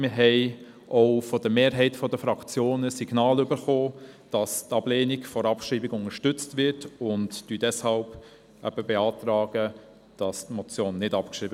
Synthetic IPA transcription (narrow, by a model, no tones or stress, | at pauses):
mɪɾɦɛɪ | ʔɔʊfɔd̥əmeːɾɦɛɪtfɔdəfɾɑkt͡sjoːnəsiɡ̥nɑːlʏbəɾχoːd̥ɑstɑb̥leːniɡfɔɾɑpʃɾiːbɪɡʊŋəʃtʏt͡stvɪɾtʊnttyːdɛshɑlb | ɛb̥əbeɑːtɾɑːɡə | d̥ɑstmɔt͡sjoːnːɪdɑpkʃɾiːbə